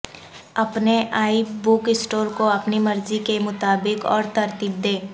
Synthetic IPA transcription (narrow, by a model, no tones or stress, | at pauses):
ɐpneʔaːibʊkɪsʈoːɾkoɐpnimɐɾzikemʊt̪aːbɪkɔ̰ːɾt̪ɐɾt̪iːb̚d̪eː